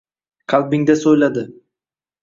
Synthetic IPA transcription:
kʰalʲˠbiŋd̪ɛsojlˠad̪ɯ

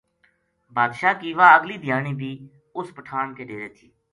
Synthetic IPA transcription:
baːd̪ʃaːkiːʋaːəɡliːd̪ʱɪjaːɳiːbʱiː | ʊspəʈʰaːɳkeːɖeːɾeːt̪ʰiː

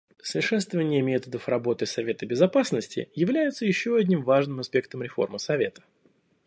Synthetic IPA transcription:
səɪʂɛst̪vəvənʲɪjəmʲe̞t̪əd̪əfrɐbo̞t̪ɨsɐvʲe̞t̪əbʲɪzɐpasnəsʲtʲɪ̰jɪvlʲæjɪt̪səjɪɕːoɐdʲnʲimvaʐnɨmɐspʲe̞kt̪əmɾʲɪfo̞̰rmɨsɐvʲe̞t̪ə̥

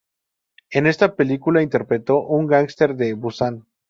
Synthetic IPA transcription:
ene̞st̪ape̞likulaint̪e̞ɾpɾe̞t̪o̞ʔuŋɡaŋst̪e̞ɾðe̞βusan

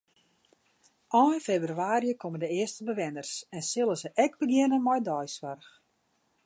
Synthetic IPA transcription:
ʔɔnfebryaːrjəkʰoməndəɪəstəbəʋɪnərsɛnsɪlˠəsəʔɛɡ̚bəɡjɪnənmɔjdɔjswarx

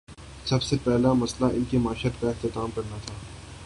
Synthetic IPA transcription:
sɐbsepɛɦlamɐslaʔɪnkemaːɪʃət̪kaɪxt̪ɪt̪aːmkɐɾnat̪ʰaː

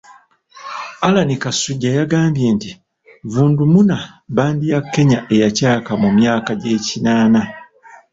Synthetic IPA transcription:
alanikasuɟːajaɡaːmbje̞ːnti | vuːndumunaβaːndijakːe̞ɲaʔe̞jacaːkamumjaːkaɟe̞ːcinaːna

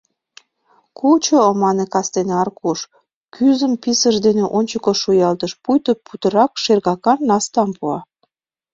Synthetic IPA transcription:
kʰut͡ɕoːmɑnekɑst̪eneɑrkuʃ | kʰyzəmpisəʒd̪eneʔonʲt͡ɕəkoʃujɑlt̪əʃpujt̪oput̪ə̆ɾɑkʃerɣɑkɑnːɑst̪ɑmpuɑ

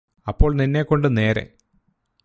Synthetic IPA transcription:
ɐpːo̞ːɭninːekːo̞ɳɖɨne̞ːɾḛ

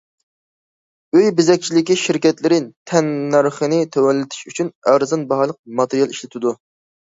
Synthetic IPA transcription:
øjbɪzɛk̚ʲt͡ʃʰilɪkʲiʃiɾkʲɛt̪lɪɾɪt̪ʰɛnːæɾχənɪt̪ʰɛwɛlːɪt̪ʰɪ̥ʃyt͡ʃʰynæɾzɑnbɑɦɑlˠəq̚mɑt̪ɨɾijɑlˠiʃlɪt̪ʰɪd̪u

